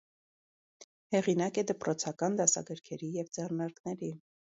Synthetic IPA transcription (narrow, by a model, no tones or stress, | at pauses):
hɛʁinɑkɛd̪əpɾɔt͡sʰɑkɑnd̪ɑsɑ̰ɡəɾkʰɛɾijɛvd͡zɛrnɑɾknɛɾi